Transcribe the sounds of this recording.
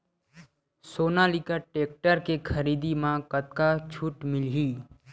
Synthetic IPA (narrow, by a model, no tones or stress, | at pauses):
soːnalikaʈeːk̚ʈəɾkekʰəɾiːd̪imãkət̪kat͡ʃʰuʈmɪlɦiː